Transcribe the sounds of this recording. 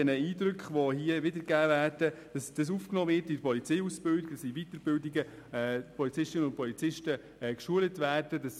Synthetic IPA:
ɛnəiːdɾʏkχʋɔɦiːəʋɪdəɾɡæːvæːrd̥əd̥ɑsd̥ɑs̬ufknɔːvɪtidpɔlit͡sɛjusb̥ɪldiɡə̥ɑsivit̪əɾbɪldɪɡə | pʰɔlit͡sɪʃtɪnənʊntpɔlit͡sɪʃtə | ɛkʃuələtvʋæːrdədɑs

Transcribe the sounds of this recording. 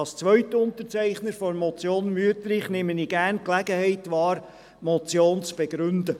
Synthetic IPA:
ɑst͡sʋœʏtəʊntəɾt͡sæɪχnəɾfɔɾmɔt͡sjoːnmyətəɾɪχnɪməniɡ̥ærnklæɡəhɛɪtʋɑːɾ | mɔt͡sjoːnt͡sb̥eɡɾʏndə

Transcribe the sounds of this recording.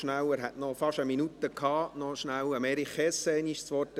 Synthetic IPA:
ʃnæwəɾɦɛtnɔfɑʃəminut̪əkʰɑːnɔʃnæwɑmɛɾiχɛsɛɪniʃt͡sʋɔtə

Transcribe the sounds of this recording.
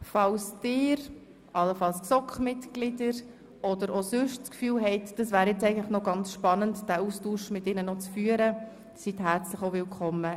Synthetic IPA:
fɑlsd̥ɪːɾ | ʔɑlːəfɑlsksɔkχmɪtɡ̥lɪdəɾ | ɔdəɾosʏʃtskfyːlɦɛɪtd̥ɑsvæːɾjɛt͡sɛɪɡən̩tlɪχnɔɡɑnt͡sʃpɑnəntd̥æːustuːʃmɪtɪnənɔt͡sfyːəɾə | sitɦæɾt͡slɪxovɪlkʰɔmːə

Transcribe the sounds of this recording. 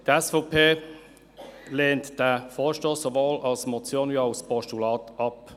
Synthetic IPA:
dɛsfɔpʰeː | leːntd̥æfoːʃtoːsːovoːlɑlsmɔt͡sjoːnjoʊspʰɔʃtulɑːtɑp

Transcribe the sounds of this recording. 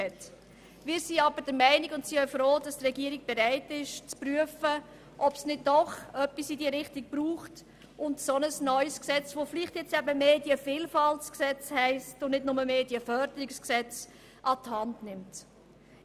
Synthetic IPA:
ɛt | mɪːɾsiɑbəɾd̥əɾmæɪniɡʊntsiːœʏfɾoːd̥ɑstrɛɡiːəɾiɡ̚b̥ɛɾaɪtɪʃt͡spɾyəfə | ʔɔpsnɪd̚dɔχœpːisidiəɾɪχtik̚b̥ɾuːχt | ʔʊntsɔnəsnœʏsksɛt͡sʋoːfliχtjɛt͡stɛbəmeːdjəfiːlfɑltsksɛt͡shɛɪstʊnnɪdnʊməmeːdiəfœɾdəɾɪksksɛt͡s | ʔɑthɑndnɪmt

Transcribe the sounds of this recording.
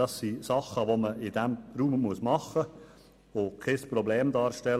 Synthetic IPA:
ɑsːisɑχːəʋoməʔɪd̥æmɾuːmmuəsmɑχə | ʋokʰɛspɾobleːmdɑːɾʃtɛl

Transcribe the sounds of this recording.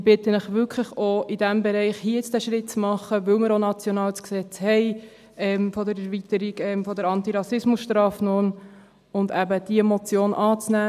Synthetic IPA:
b̥ɪt̪ənɪχʋʏkʰlɪχoɪd̥æmbɛɾɛɪχhiɪt͡sd̥æʃɾɪt̪̚t͡smɑχːəʋɵwmɪɾonɑt͡sjɔnɑːlt͡sksɛt͡shɛɪ | ɛmfɔdəɾɛɾvit̪əɾiɡɛmfɔd̪əɾɑnt̪iɾɑsɪsmʊsʃtɾɑːfnʊn | ʊnd̪æbəd̥iəmot͡sjoːnʔɑːt͡snæː

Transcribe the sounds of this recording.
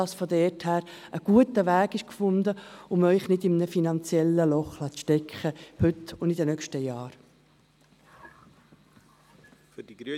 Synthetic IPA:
ɑsfɔdɛthæːɾəɡ̥uətəʋæːɡɪʃkfʊnd̪əʊmœʏχnɪdɪmnəfinɑnt͡sjɛlːəlɔχlɑt͡sʃtɛkχəhʏtʊndidənœkʃtəjɑːɾ

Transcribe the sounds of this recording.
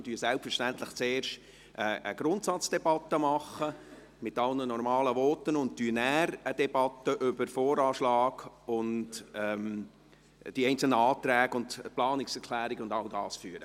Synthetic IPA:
tyəsɛlpfəɾʃtænt̪lɪχt͡seːɾʃt | ʔəʔə̰ɡ̥ɾʊntsɑt͡sd̥ɛbɑt̪ːəmɑχə | mɪtɑlnənɔrmɑːləvɔːtːənʊnt̚tyːnæːɾəd̥ɛb̥ɑt̪ːəʔʏbəɾfɔːɾɑːʃlɑːɡ̥ʊndɛm | d̥iɛɪnt͡sl̩nəɑːt̪ɾæːɡʊntplɑːnɪksɛɾkʰlæːɾiɡʊndɑldɑːsfyəɾə

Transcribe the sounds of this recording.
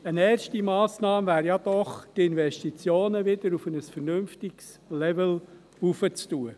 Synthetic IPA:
ənɛːrʃtimɑːsnɑːmvæːɾjɑd̥̪ɔχt̪ɪnvɛʃtit͡sjoːnəʋɪd̥̪əɾufənəsfəɾnʏmftɪks | lɛvəl | ufət͡stuə

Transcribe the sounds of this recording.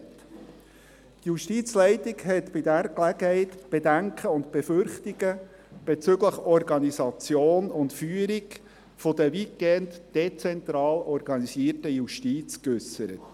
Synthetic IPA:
tjuʃtit͡slɛɪtɪɡhɛt̪b̥ɪdæɾklæɡ̥əhɛɪt̪b̥edæŋkʰəʊntb̥efʏɾχtiɡə | b̥et͡sʏɡləχɔrɡɑnisɑt͡sjoːnʊntfyːəɾiɡ | fɔd̪əʋikːɛndd̥ɛt͡sɛnt̪ɾɑːlɔrɡ̥ɑnisiːərtəjuʃtit͡skʏsəɾə̰t

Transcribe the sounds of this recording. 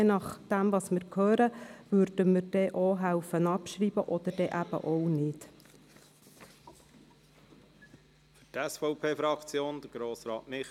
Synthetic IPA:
ɛnɑχd̥̪æmvɑsmɪɾkʰhøːɾəvʉrd̥əməɾd̥ɛʔoɦæwfənɑpʃɾiːbəʔɔd̪əɾd̥ɛʔæb̥ə̰ʔɔwnɪt | fytɛsfɔʊpʰeːfɾɑkt͡sjoːnd̥̪əɾɡ̥ɾoːsɾɑ̰ːtnɪ

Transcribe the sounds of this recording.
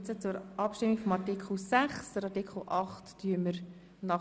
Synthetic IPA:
t͡sət͡sʊɾʔɑpʃtɪmiɡfɔmɑɾtikχl̩sæχsd̥əɾɑtikʰχl̩ʔɑχtːyːəməɾ | nɑ

